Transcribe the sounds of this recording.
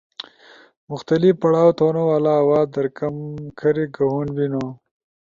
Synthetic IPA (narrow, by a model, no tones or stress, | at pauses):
mʊxt̪alifpɐɽɑːwt̪onowalaːwɑːd̪əɾkamkʰɐɾiɡahunbino